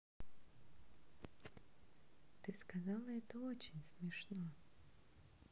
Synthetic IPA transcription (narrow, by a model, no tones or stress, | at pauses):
t̪ɨskazalˠɐɛt̪oot͡ɕɪnʲsmʲɛʂno